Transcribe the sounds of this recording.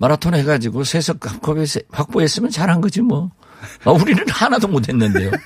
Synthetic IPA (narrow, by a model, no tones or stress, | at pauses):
maɾatʰonheɡad͡ʑiɡosʰesʰʌk̚k͈ap̚k͈ʰʌbesɸak̚p͈oes͈ɯmjʌnt͡ɕaɾɦanɡʌd͡ʑimwʌ | mauɾinɯnhanadomotʰe̞nːɯnde̞jo